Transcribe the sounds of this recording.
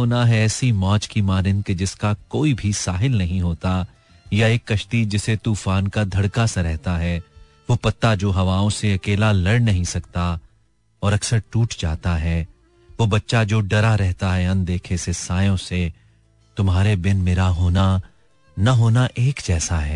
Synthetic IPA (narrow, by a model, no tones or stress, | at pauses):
oːnaɦɛɛːsimɔ̃ːt͡ʃkimaːɾɪ̃nked͡ʒɪskakoːibʱisaːɦɪlnɐɦĩɦoːt̪a | jaeːkːɐʃt̪id͡ʒɪset̪uːfaːnkad̪ʱɐɽkaseɾɛɦt̪aɦɛ | ʋoːpɐt̪ːad͡ʒoːɦɐʋaːõseɐkeːlalɐɽnɐɦĩsɐkt̪a | ɔːɾɐksəɾʈuːʈd͡ʒa̰ːt̪aɦɛː | ʋoːbɐtːʃad͡ʒoːɖɐɾaɾɛɦt̪aɦɛɐ̃nd̪eːkʰesesaːjõse | t̪ʊmɦaːɾebɪnmeːɾaɦoːna | nɐɦoːnaʔeːkd͡ʒɛːsaɦɛː